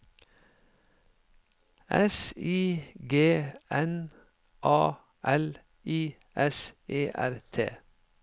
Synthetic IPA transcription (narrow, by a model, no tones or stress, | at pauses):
ʔɛsiːɡeːɛn | ʔɑː | ʔɛl | ʔiː | ʔɛsʔeːʔæ̰ɾt̪ʰḛː